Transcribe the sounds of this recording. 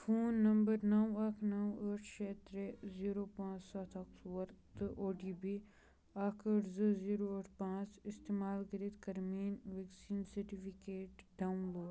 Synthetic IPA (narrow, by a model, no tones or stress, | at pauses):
fʰoːnːɐmbəɾnɐwɐkʰnɐwəːʈʰʃeːt̪ɾeziːɾoːpãːt͡ʃsɐt̪ʰɐk̚swɐɾt̪ɨʔoːɖiːbi | ɐkʰəʈzəziːɾoɐʈʰpãːt͡ʃɪst̪eːmaːlkəɾet̪kɐɾmiːnʋeksiːnsɐɾʈipikeːʈɖaːunloːɖ